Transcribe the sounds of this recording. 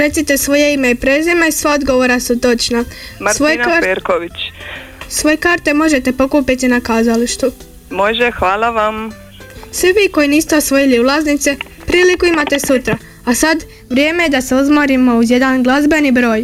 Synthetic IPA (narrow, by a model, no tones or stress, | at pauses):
ɾe̞t̪sit̪e̞sʋo̞jeimeipɾeːzimaisʋaod̪ɡo̞ʋo̞ɾasut̪o̞t͡ʃnamsʋoaeɾkoʋit͡ʃ | sʋo̞jekaːɾt̪e̞mo̞ʒe̞t̪e̞po̞kupit̪inakaːzaliʃt̪u | moʒexʋaːlaʋam | sʋiʋiːko̞jiniːst̪eosʋo̞jiliulˠaznit̪se̞ | pɾiːlikuimat̪e̞sut̪ɾa | asad̪ | ʋɾje̞ːmeje̞d̪ase̞uzmoɾimo̞uzje̞d̪anɡlˠazbe̞nibɾo̞ːj